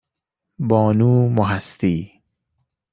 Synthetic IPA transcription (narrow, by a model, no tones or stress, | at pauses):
bɔːnuːmʊɦast̪iː